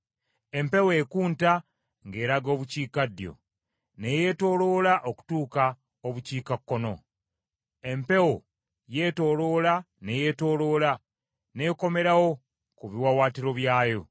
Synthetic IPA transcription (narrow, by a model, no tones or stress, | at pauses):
e̞mpe̞wekuːnta | ŋɡe̞ːɾaɡo̞ːβuciːkadjo̰ | ne̞je̞ːto̞ːlo̞ːlaʔoku̥tuːka | oβuciːkakːo̞no̞ | e̞mpe̞wo | je̞to̞loːla | neje̞to̞ːlo̞ːla | ne̞ːko̞me̞ɾawo̞ | kuβiwawaːtiɾo̞βjaːjo̞